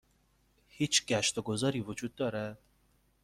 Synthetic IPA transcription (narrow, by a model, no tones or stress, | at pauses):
hiːt͡ʃʰɡæʃt̪ɒɡozɒːɾiːvod͡ʒuːd̪̚ːɒːɾæd̪̥̚